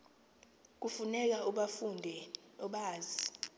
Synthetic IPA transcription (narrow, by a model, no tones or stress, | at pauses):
k̬ʼufunɛk̬auɓafundʱɛɔɓaːzi